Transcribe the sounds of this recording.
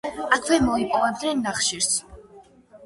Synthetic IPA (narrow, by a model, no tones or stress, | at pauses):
akʰwɛmɔipʼɔvɛb̚d̪nɛnːaχʃiɾs